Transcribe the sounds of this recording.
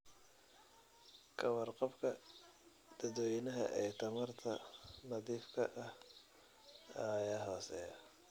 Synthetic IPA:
kʰɐwɐrqɔbkʰɐ | d̪̥ɐd̪wɛjnɐɦɐ̰ʔɛjt̪ʰɐmɐrt̪ʰɐnɐðiːfkʰɐʔɐh | ɐjaːɦɔːsɛːjɐ

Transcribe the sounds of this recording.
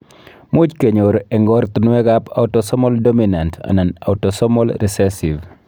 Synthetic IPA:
mut͡ʃkeɲoɾɛŋɡɔɾt̪unuɛkapa̰wtɔsɔmɔldominanta̰nana̰wtosɔmɔlɾisɛsiv

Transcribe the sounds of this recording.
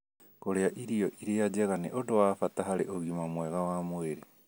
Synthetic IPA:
koɾeaʔiɾiɔʔiɾejad͡ʑɛɣaneʔodowafatahaɾeʔoɣimamwɛɣawamweɾe

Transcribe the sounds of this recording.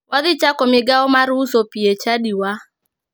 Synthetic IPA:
waðɪt͡ʃakɔmɪɡaɔmaɾusopiet͡ʃadiwa

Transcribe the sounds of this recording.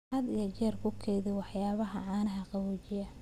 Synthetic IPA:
ħɐd̪ijɐt͡ʃɛːrkʰʊkʰɛjðɪwɑħjaːβɐɦɐ̰ʕɑːnɐɦɐqɑwut͡ʃɪjɐ

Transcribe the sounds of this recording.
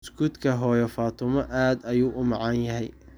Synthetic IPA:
sɡud̪kʰɐɦɔːjɔfaːt̪ʰʊmɐʔaːd̪ɐjuːʔʊmɑʕɑnjɐɦɛj

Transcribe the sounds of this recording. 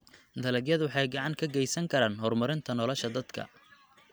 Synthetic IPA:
d̪ɐlɐɡjɐðwɑħɑjɡɑʕɑŋkʰɐɡɛjsɐŋkʰɐɾaːnɦɔrmɐɾɪnt̪ʰɐnɔlɔʃɐd̪ɐd̪kʰɐ̰

